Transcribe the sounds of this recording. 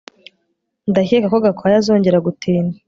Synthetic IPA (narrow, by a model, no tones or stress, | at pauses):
ndaçekakoɡakʰoajazo̞ːɲɟe̞ɾaɡutʰiːna